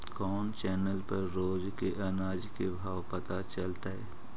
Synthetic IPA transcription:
kɔːnt͡ʃɛːnəlpɐɾːoːd͡ʒkeʔɐnaːd͡ʒkebʱaːwpɐt̪at͡ʃɐlt̪aɦɛː

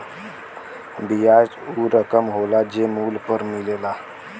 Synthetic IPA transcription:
bijad͡ʒuɾəkəmɦolad͡ʒemuːlpəɾmilela

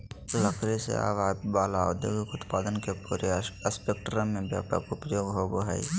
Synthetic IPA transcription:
ləkʰɾesḛa̰ːʋaːbaːlao̰d̪jo̰ːɡɪkʊt̪paːd̪ənkepuːɾeəspeːkʈɾəmːẽbjaːʈa̰kʊpjoːɡɦoːboɦaḭ

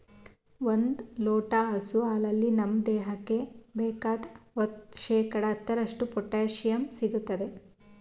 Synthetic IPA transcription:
ʋond̪lɔːʈaɦɐsuaːlɐlːinɐmd̪ɛːɦɐkːe̞bɛːkaːd̪ot̪ʃɛːkɐɽɐːt̪ːɐɾɐʂʈupɔʈːaːʃjɐmsiɡut̪ːɐd̪e̞

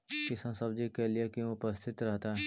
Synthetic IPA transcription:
kɪsãsɐbd͡ʒikelijekjũʊpəst̪ʰɪt̪ɾɛɦt̪aɦɛ

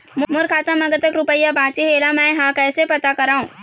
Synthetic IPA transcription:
mʊmʊɾkʰaːt̪ə̃mɐɡət̪əkɾʊpəjːabʱãːt͡ʃiɦeːlamɛ̃ːɦãkɛːsepɐt̪akɐɾaːũː

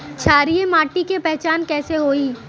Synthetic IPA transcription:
t͡ʃʰaːɾiemaːʈikepɛɦt͡ʃaːnkɛːseɦoːiː

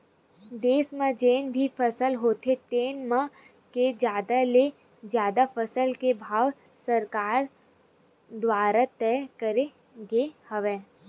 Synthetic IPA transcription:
d̪eːsmə̃d͡ʒeːnbʱifʰəsəlɦoːt̪ʰet̪eːnmə | ked͡ʒjaːd̪ale | d͡ʒjaːd̪apʰəsəlkebʱaːʋ | səɾkaːɾ | d̪waːɾat̪ɛːkəɾe | ɡehəʋẽː

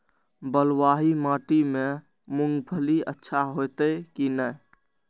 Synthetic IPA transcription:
bəlwaɦimãʈime | muŋɡbʱəliə̰tːʃʰaɦot̪əkinəj

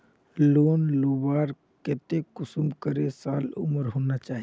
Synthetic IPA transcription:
loːnloːbaːɾ | kɛːt̪ekʊsʊmkəɾesaːlʊ̰məɾɦoːnat͡ʃaːɦi

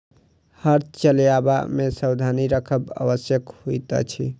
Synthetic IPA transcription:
həɾt̪t͡ʃəljaba̰mesəwd̪ʱaniɾəkʰəba̰wəsjəkhujt̪ə̰t͡ʃʰḭ

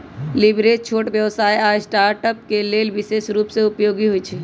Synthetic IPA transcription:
libɾeːst͡ʃʰoːʈʋjəʋsaːiasʈaːɾʈəp̚keleːlʋɪʃesɾuːpseʊpjoːɡiɦuit͡ʃʰi

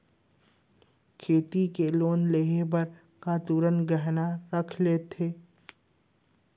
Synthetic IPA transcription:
kʰeːt̪ikeloːnleɦebɐɾ | kat̪uːɾənɡəɦnaɾəkʰleːt̪ʰeː

